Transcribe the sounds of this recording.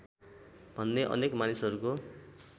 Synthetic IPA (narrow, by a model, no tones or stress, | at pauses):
bʱʌnːeʔʌ̰nekmanisʌɾuko